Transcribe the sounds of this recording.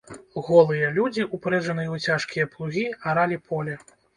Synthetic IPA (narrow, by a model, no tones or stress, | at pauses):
ɣɔlˠɨjɐlʲud͡zʲiʔupɾɛd͡ʐɐnɨjɐut͡sʲaʂkʲijɐplˠuɣʲiaɾalʲipʰɔlʲɛ